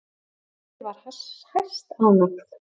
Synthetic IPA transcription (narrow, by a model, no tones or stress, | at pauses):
vaɾ̥hashajst̪awnɔkθ